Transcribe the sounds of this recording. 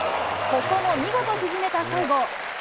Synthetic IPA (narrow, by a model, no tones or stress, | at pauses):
kokːonoɲʲiɡot̪oɕizɨme̞t̪asaiɡo